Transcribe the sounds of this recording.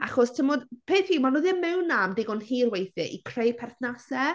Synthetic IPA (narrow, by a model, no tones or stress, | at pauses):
aχɔstʰəmɔdpʰeːθpiːmanɔðɪmːɛwnːamdɪɡɔnɦiːrwejθɨʔikʰrejpʰɛrθnasɛ